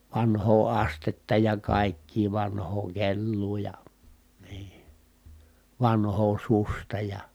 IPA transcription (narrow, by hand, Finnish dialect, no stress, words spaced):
ʋɑnhoː ɑstetːɑ jɑ kɑˑikːiː ʋɑnhoː kelːuː jɑ niː ʋɑnhoː sustɑ jɑ